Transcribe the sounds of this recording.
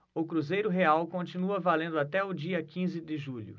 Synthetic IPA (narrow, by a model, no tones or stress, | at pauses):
ʊkɾuzejɾʊɦeawkõt͡ʃinuɐvalẽnd̪ʊat̪ɛʊd͡ʒiɐkĩzɪd̪ɪʒuʎʊ̰